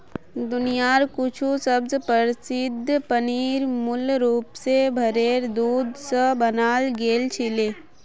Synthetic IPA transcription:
d̪ʊnijaːɾkʊt͡ʃʰusəbzpəɾsɪd̪ʱːpəniːɾmʊlɾuːpsebʱəɾeːɾd̪uːd̪ʱsəbənaːlɡeːlt͡ʃʰileː

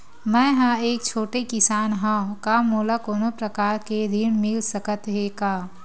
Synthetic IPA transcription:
mɛ̃ːɦə̃eːk̚t͡ʃʰoːʈekɪsaːnɦãkamoːlakoːnopɾəkaːɾkeɾiːnmɪlsəkət̪ɦeːkaː

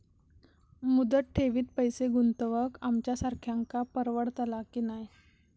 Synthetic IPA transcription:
mud̪əʈ̚ʈʰeʋiːt̪̚pəjseɡunt̪əʋəkamt͡ɕjasaɾkʰjaŋkapəɾʋəɽt̪əlakiːnaj

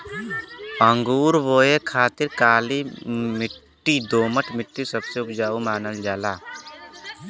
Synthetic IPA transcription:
əŋɡuːɾʋoːekʰaːt̪ɪɾkaːlimɪʈːid̪oːməʈʰmɪʈːisɐbseʊpd͡ʒaːumaːnəld͡ʒaːlaː

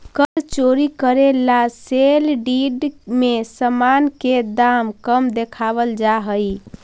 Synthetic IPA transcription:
kəɾt͡ʃoɾikəɾelaselɖiɖmesəmanked̪amkəmd̪ekʰabəld͡ʒaɦəj

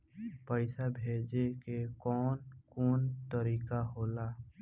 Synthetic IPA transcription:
pəɪsabʱeːd͡ʒekekɔːnkuːnt̪əɾiːkaɦoːlaː

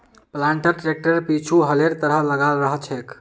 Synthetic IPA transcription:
plaɳʈəɾʈɾek̚ʈəɾpit͡ʃʰuɦəleɾt̪əɾələɡalɾəɦət͡ʃʰɛk

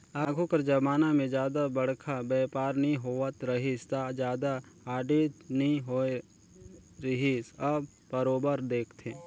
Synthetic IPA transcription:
aːɡʱokəɾd͡ʒɐbaːnamẽd͡ʒjaːd̪abɐɽ̤kʰabɛːpaːɾnĩɦoːət̪ɾəɦist̪ad͡ʒjaːd̪aaːɖeːt̪nĩɦoe | ɾəɦisab | pəɾoːbəɾd̪eːkʰt̪ʰeː

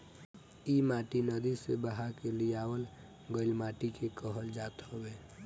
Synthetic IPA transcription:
imaːʈinəd̪isebəɦakeliaːwəl | ɡəɪlmaːʈikekəɦəld͡ʒaːt̪ɦɔbeː

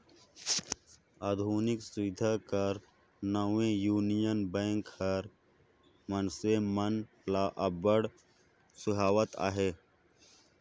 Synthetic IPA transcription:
aːd̪ʱuːnɪksʊɪd̪ʱakɐɾ | nəwẽjuːnijənbẽːŋkhɐɾ | mɐnsemɐn | laːʔəbəɽ | sʊɦaːwət̪a̰ːɦeː

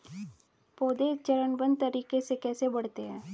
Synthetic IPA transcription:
poːd̪et͡ʃəɾəɳbə̃nd̪̚t̪əɾiːkesekɛːsebɐɽ̤t̪eɦɛ̃ː

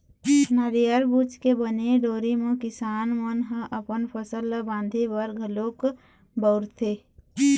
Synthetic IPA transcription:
nəɾijəɾbuːt͡ʃkebəneɖoːɾimẽkɪsaːnmənɦə̃ʔəpənpʰəsəlːəbãːnd̪ʱibəɾɡʱəlok | bəʊɾt̪ʰe

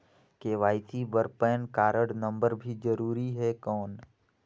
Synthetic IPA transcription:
keːʋaːɪt̪ʰibəɾpɛːnkaːɾəɽnə̃mbəɾbʱid͡ʒəɾuːɾiɦɛkɔːn

